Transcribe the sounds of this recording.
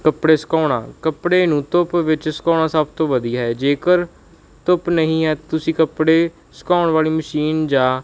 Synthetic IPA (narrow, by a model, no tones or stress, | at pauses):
kəpɽeːsə̥kaːʊɽã̰ːkəpɽeːnũːt̪ʊpʋɪt͡ʃsə̥kaːɽ̃ãːsəb̚t̪õːʋəd̪iːaɦɛːd͡ʒeːkəɾ | t̪ʊpnəɦĩːɦɛːt̪ʊsĩːkəpɽeː | sə̥kaːʊɳʋaːliːməʃiːnd͡ʒãː